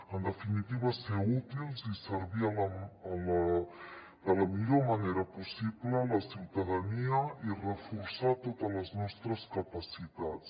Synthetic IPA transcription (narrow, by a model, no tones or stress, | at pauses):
ənd̪əfinit̪iβəseut̪ilzisəɾβialːl | d̪ələmiʎomaneɾɐpusiβlələsiwt̪aðaniəirəfuɾsat̪ot̪ələznɔst̪ɾəskapasit̪att͡s